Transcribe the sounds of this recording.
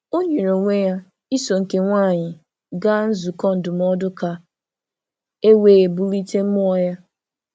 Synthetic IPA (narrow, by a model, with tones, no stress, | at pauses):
o˦ɲe˨ɾo˨ŋʷe˦ja˦ | i˦so˨ŋ̩˨ke˨ŋʷa˦˨ɲɪ˨ | ɡa˦n̩˦zu˨kɔ˦n̩˨dʊ˨m˦ɔ˦dʊ˦ka˨ | e˦weː˨bu˦li˦te˦m̩˦mʊ˦ɔ˨ja˦